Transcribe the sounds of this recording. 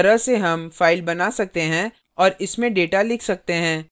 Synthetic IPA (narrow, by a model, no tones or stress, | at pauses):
ɾəɦseɦɐmfaːɪlbɐnasɐk̚t̪eɦɛ̃ | ɔːɾɪsmẽɖeːʈalɪkʰsɐk̚t̪eɦɛ̃ː